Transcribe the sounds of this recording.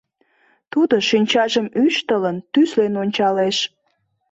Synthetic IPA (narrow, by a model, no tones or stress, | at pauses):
t̪ud̪oʃynʲt͡ɕɑʒəmyʃt̪ələnt̪yslenonʲt͡ɕɑleʃ